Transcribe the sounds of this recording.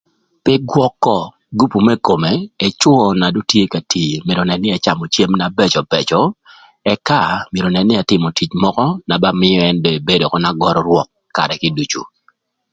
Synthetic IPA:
pɪ˦ɡwɔ˦kːɔ˨ | ɡu˦pu˨mɛ˦ko˨me˨e˨t͡ʃwɔ˨na˨do˦tje˦ka˨ti˨mje˨ɾo˨nɛ˨nːɪ˦a˨t͡ʃa˨mɔ˨t͡ʃje˦mna˨bɛ˦t͡ʃɔ˨bɛ˨t͡ʃɔ˦ | ɛ˦ka˦˨mje˨ɾo˨nɛ˨nːɪ˦a˨tɪ˨mo˨ti˨t͡ʃmɔ˦kɔ˦na˨ba˦mɪ˦jɔ˦ɛ˦ndo˨e˨be˦do˨kɔ˨na˦ɡɔ˦ɾɔ˦ɾwɔ˦kːa̰˨ɾɛ˨kɪ˦du˨t͡ʃṵ˨

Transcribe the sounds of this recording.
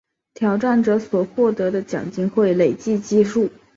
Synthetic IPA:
t̪ʰjɑ˨˥ʊʈ͡ʂa˥˩nʈ͡ʂɤ˧˥swɔ˨˩xwɔ˥˩t̪ɤ˧˥d̪ə˧t͡ɕjɑ̰˨˩ŋt͡ɕi˥ŋxwe˥˩ɪle˨˩ɪt͡ɕi˥˧t͡ɕi˥˧ʂu˥˩

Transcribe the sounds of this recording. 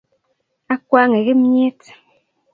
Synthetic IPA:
a˦kwa˦ŋe˨ɣi˦m˦ɲ˦e˦t

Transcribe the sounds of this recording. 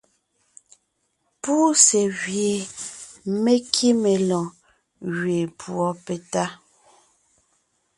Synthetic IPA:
puː˦se˨ɣɥje˨ | me˦kʰi˦me˨lɔ̃˨ | ɣɥe˨pʰwɔ˦pe˨ta˦

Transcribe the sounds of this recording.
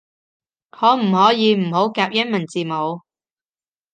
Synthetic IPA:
hʰɔː˨˧m̩˨˩hɔː˨˥jiː˨˧m̩˨˩ho˨˥wkaː˧p̚jɐ˥nmɐ˨˩nt͡siː˨mo˨˧w

